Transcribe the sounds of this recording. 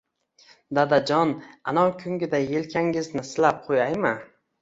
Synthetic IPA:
d̪ad̪ad͡ʒɒnanɒŋkʲʰʊŋɡʲɪd̪ajelkʲʰaŋɪznɪsɪlap̚qʰojajmɪ

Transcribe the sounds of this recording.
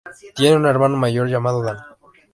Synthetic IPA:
t̪je̞neune̞ɾmanomaʝo̞ɾʝamaðoðal

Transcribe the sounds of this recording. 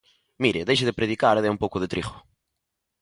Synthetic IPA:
miɾɐðejʃɐðɨpɾɨðikaɾðɛũmpowkʊðɨt̪ɾiʁʊ̥

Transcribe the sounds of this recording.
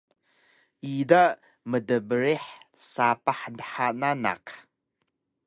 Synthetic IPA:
iːda | mədɐbɨɾeħsaːpaħndħanana̰q

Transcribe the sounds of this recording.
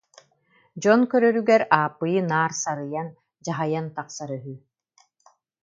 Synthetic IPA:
d͡ʑɔnkœɾœɾyɡɛɾaːpːɯjɯnaːɾsaɾɯjan | d͡ʑaɦajant̪aqsaɾœɦy

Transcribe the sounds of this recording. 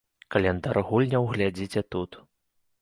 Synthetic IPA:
kɐlʲɛnd̪aɾɣulʲnʲɐwɣlʲad͡zʲit͡sʲɛt̪ut̪

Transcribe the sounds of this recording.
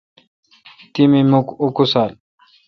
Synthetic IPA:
t̪imimukukusal

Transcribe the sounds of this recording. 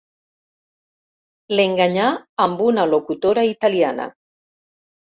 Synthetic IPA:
leŋɡaɲaːmbunalokut̪oɾait̪aliana̰

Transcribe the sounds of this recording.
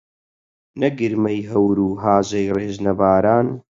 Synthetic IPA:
nɐɡɨɾmɐjɦɐwɾuːɦaːzɐjreːʒnɐbaːɾaːn

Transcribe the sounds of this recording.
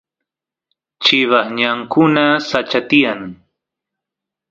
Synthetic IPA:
t͡ʃɪβaχɲaŋkʊnasat͡ʃat̪ɪjaŋ

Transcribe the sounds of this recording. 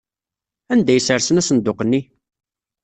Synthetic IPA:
ænd̪æjəsəɾsənæsənd̪ʊqənːi

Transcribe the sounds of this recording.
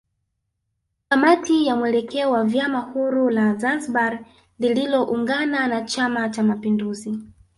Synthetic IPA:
kamatijamwɛlɛkɛɔwavjamahuɾulazansbaɾ | lililɔʔuŋɡananat͡ʃamat͡ʃamapinduzi

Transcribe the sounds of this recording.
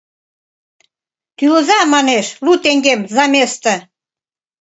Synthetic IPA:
t̪yləzɑmɑneʃlut̪eŋɡemzɑmʲest̪ə̆

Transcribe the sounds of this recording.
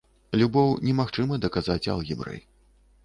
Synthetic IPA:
lʲubɔwnʲɛmaxt͡ʂɨmɐd̪ɐkazat͡sʲa̰lˠɣʲɛbɾɛ̰j

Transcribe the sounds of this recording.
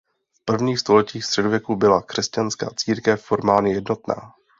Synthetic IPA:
fpr̩vɲiːxst̪o̞lɛciːxst̪r̥ɛdovjɛkubɪlakr̝̥ɛscanska̰ːt͡siːɾkɛfːo̞ɾmaːlɲɪjɛdno̞t̪na̰ː

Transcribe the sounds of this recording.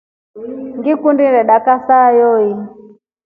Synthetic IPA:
ŋɡikundiɾɛɗakasajɔi

